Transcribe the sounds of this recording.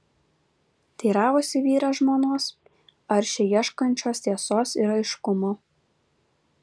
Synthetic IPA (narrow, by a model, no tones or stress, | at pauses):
t̪ʲiːɾɑːʋʊsʲɪʋʲiːɾɐʒmoːnoːs | ɐɾʲʃʲɛjiɛʃkɐnʲt͡ʃʲoːst̪ʲiɛsoːsɪɾɐɪʃkʊmoː